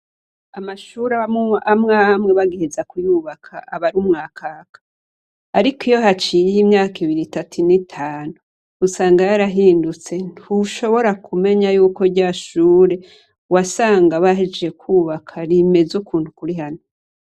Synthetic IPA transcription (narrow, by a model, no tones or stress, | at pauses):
amaʃuɾaamŋamŋeβaɡihezakujuːβakʰa̰ʔaβaɾumŋaːkʰaːkʰḁ | aɾikijo̞ɦat͡ʃijimɲaːkiβiɾitatʰunitʰaːnuː | saːŋɡajaɾaɦiːndut͡se̞nhuʃo̞βo̞ɾakʰume̞ɲajuːko̞ɾɟaːʃuːɾe̞ | wasaːŋɡaβaɦed͡ʒeekʰuːβakʰaɾime̞zukʰuːntukuɾiɦano